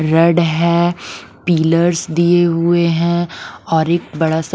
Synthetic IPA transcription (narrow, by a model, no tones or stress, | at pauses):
ɾɐɖɦɛ̃ːpiːləɾsd̪ieɦʊeɦɛ̃ɔːɾɪːk̚bɐɽas